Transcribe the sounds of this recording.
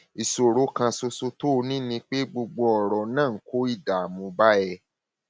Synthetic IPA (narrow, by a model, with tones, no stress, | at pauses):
i˨so˨ɾo˨˦kã˧so˧so˧to˦˧nĩ˦nĩ˧k͡pe˦ɡ͡bo˧ɡ͡bo˧ɔ˨ɾɔ˨nãː˦˨ŋ̩˦ko˦i˦˨da˨a˨mũ˧ba˦ɛ˧